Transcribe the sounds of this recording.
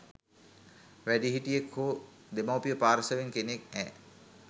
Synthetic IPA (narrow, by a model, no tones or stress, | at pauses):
ʋæɖiɦiʈijekhoː | d̪emawpijəpaːɾəsəʋeŋkenek̚ɛː